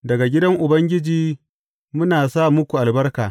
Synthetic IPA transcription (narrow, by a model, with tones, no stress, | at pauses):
dɐ˨ɡa˨ɡʲɪ˦dɐ˦ŋʔʊ˨bɐ˦ŋɡʲɪ˦d͡ʒiː˨ | mʊ˦naː˨saː˦˨mʊ˦kʷu˨ʔa˨lbɐ˦rkaː˨